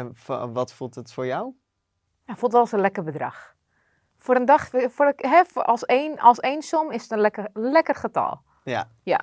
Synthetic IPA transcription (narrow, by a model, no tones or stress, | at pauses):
fʋɔtfulˠtətfʊːɹjaw | jafulˠtʋɛlˠsənlɛkərbədrɑ̰x | foɾəndɑχforɦɛfɔlˠsenɔlˠsejnsomɪsətənlɛkəlɛkərχətɔ̰lˠ | ja | ja̰